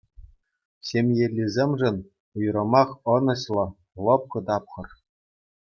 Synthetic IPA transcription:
ɕemʲjelʲːizʲemʲʐɘ̆nʲ | ujrɤ̆mɑχɤ̆nɤ̆ɕlˠɤ̆ | lˠɤ̆p̚kɤ̆d̪ɑpχɤ̆r

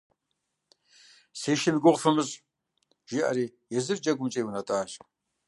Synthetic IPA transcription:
seːʃɪnɡʷʊʁfɨmɨɕʼ | ʒ̥iʔa̰ɾiːjɛzɨrd͡ʒɐɡʷʊmt͡ʃʼeːjwʊnɐtʼaːʒ

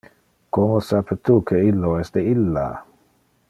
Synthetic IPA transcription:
komosapet̪ukʰeilːoɛsd̪eilːa̰

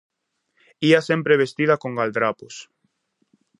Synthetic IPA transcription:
iasempɾeβest̪iðakoŋɡald̪ɾapʊs

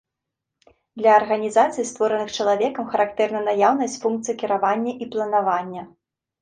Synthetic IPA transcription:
d̪lʲɐːrɣɐnʲizat̪sɨjst̪vɔɾɐnɨxt͡ʂɐlˠavʲɛkɐmxɐɾakt̪ɛrnɐnajawnɐsʲt͡sʲfunk̚t̪sɨjɐkʲiɾavanʲːɐʔiplˠɐnavanʲːɐ

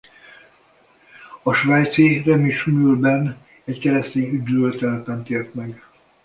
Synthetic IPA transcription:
ɒʃʋajt̪sirɛmiʃmyːlbɛn | ɛckɛɾɛst̪eːnyd̪ølt̪ɛlpɛnt̪eːrt̪mɛɡ

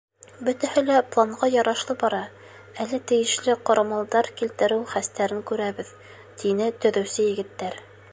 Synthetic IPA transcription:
bɵ̆t̪æhɘlæplˠɑɴʁɑjɑɾɑʃlˠɤbɑɾɑ | ælɘt̪ɘ̆jɘ̆ʃlɘqŏɾɑmɑlˠd̪ɑɾkilt̪ɘ̆ɾɘwχæst̪æɾɘŋkʉɾæβɘð | t̪inɘt̪ɵ̆ðɵ̆wsɘjɘ̆ɡɘ̆t̪ːæɾ

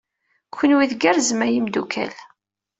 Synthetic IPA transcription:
kʷːənwiðɡæɾzəmæjimd̪ukʰæ̰l

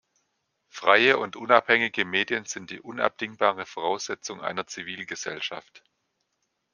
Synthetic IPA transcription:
fʁ̥aɪəʔʊntʔʊnaphɛŋɪɡəmeːdjənz̥ɪnt̚d̥iːʔʊna̰p̚d̥ɪŋbaːʁ̞əfoʁ̞aʊsz̥ɛt͡sʊŋʔa̰ɪnɐt͡siviːlɡəzɛ̰lʃa̰ft

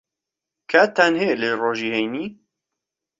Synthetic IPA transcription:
kʰaːt̪ʰaːnheleroːʒiːhejniː

